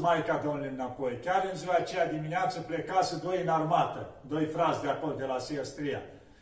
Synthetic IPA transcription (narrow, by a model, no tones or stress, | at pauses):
majkad̪onlenapo̞jkʲaɾɨnzuaːt͡ʃejad̪imineat̪səplekasud̪o̞jɨnarmat̪əd̪o̞jfɾasʲd̪eako̞ld̪e̞lasiest̪ɾija̰